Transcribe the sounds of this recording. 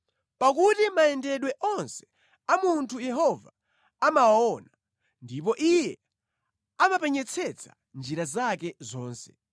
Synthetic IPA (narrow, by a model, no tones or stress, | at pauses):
pakutimaɛndɛɗwɛʔɔnsɛ̥ | amuntʰujɛɦɔva | amawaɔna | ndipɔʔijɛ | amapɛɲɛt͡sʰɛt͡sʰa | nd͡ʒiɾazakɛzɔːnsɛ